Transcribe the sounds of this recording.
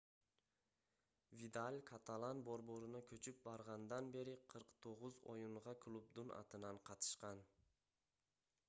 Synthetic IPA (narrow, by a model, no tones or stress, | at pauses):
vid̪alʲkʰat̪ʰalˠanboɾboɾɪnakʰɵt͡ʃʰɪp̚bɑɾʁɑnd̪anbe̞ɾɪqʰɨɾqt̪ʰoʁʊzɒjʊɴʁɑkʰlˠub̚d̪ʊna̰t̪ʰɪnanqʰɑt̪ʰɪ̥ʃqɑn